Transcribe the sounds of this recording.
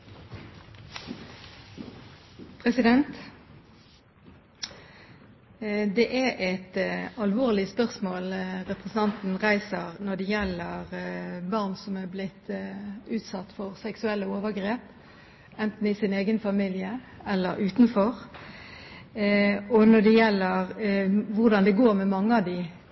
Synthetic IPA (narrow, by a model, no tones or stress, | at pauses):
pʰʁɛsɪd̪ɛnt̪ | d̪ɛʔæʔɛt̪ɑlʋoːʁlɪspœʁsmoːlʁɛpʁɛsn̩ɑnt̪n̩ʁæɪsəʁnɔd̪ɛjɛlːəʁbɑʁnsɔmæblɪt̪ːʉːt̪sɑt̪ːfɔʁsɛksʉɛlːəoːʋəʁɡʁeːp | ɛnt̪n̩ɪsɪneːɡənfɑmiːlɪəɛlːəɾʉːt̪nfɔʁ | ɔnɔd̪ɛjɛlːəʁʋʊʁd̪ɑnd̪ɛɡoːɾmɛmɑŋːəɑʋd̪ɪ